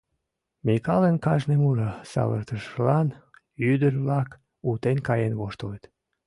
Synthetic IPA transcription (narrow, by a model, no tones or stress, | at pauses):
mikɑlenkɑʒnemuʒəsɑ̰βə̰rt̪əʃəlɑn | yd̪ərβlɑk | ut̪enʲkɑjenβoʃt̪olet̪